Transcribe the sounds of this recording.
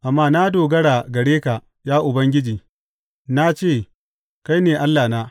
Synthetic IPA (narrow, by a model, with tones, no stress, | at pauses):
ʔa˨mːaː˦na˦doː˨ɡɐ˦ɽaː˨ɡɐ˨ɽeː˦ka˨ | jaː˦ʔʊ˨bɐ˦ŋɡʲɪ˦d͡ʒiː˨ | na˦t͡ʃeː˦˨ | ka˦jneː˨ʔa˦lːaː˨naː˦